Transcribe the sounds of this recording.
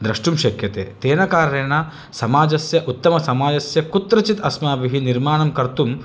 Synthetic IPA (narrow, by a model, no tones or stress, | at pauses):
d̪ɾɐʂʈumʃɐkjɐt̪ḛːt̪eːnɐkaːɾeːɳɐ | sɐmaːd͡ʒɐsjɐʔut̪ːɐmɐsɐmaːd͡ʒɐsjɐkut̪ɾɐt͡ʃit̪ɐsmaːbiɦiniɾmaːɳɐmkɐɾt̪um